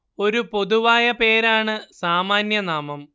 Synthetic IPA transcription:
o̞ɾupo̞ðuʋaːjɐpe̞ːɾaːɳɨsaːmaːnjɐnaːmɐm

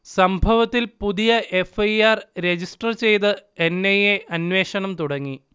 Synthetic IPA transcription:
sɐmbʱɐʋɐt̪ːilpuðijɐʔe̞fɐjaːrɾe̞d͡ʑisʈɐrt͡ɕe̞jt̪ɨenːejeʔɐnʋe̞ːʂɐɳɐmt̪uɽɐŋːi

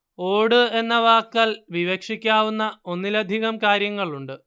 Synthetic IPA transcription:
o̞ːɽɨe̞nːɐʋaːkːɐlʋiʋekʂikʲːaːʋunːɐo̞nːilɐd̪ʱiɣɐmkaːɾjɐŋːɐɭuɳɖɨ

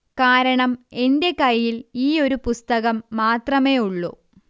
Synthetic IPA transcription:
kaːɾɐɳɐme̞nde̞kɐjːiliːo̞ɾupust̪ɐɣɐmːaːt̪rɐme̞ːuɭːṵ

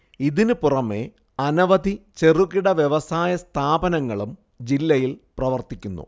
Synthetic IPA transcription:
iðinɨpurɐme̞ | ɐnɐʋɐd̪ʱit͡ɕe̞ruɣiɽɐʋjeʋɐsaːjɐst̪ʰaːbɐnɐŋːɐɭum | d͡ʑilːɐjilprɐʋɐrt̪ikʲːunːṵ

